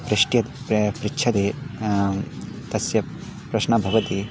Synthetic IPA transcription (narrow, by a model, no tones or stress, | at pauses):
pɾɪʂʈjɐt̪ | pɾɪkːʃʰɐt̪eː | t̪ɐsjɐ | pɾɐʃnɐbʱɐʋɐt̪i